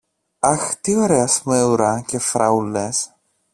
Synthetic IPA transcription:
ɐxt̪ioɾeɐsmeuɾɐcefɾɐules

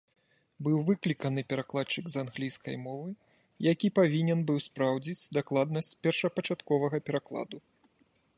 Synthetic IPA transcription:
bɨwvɨklʲikɐnɨpʲɛɾaklˠat͡ʂɨɡzanɣlʲijskɐ̰jmɔvɨ | jakʲipavʲinʲɛnbɨwspɾawd͡zʲit͡sʲd̪aklˠad̪nɐsʲt͡sʲpʲɛrʂɐpɐt͡ʂat̪kɔvɐɣɐpʲɛɾaklˠa̰d̪u

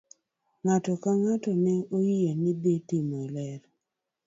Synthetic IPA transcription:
ŋatɔkaŋatɔnɛojienɪbetimɔlɛɾ

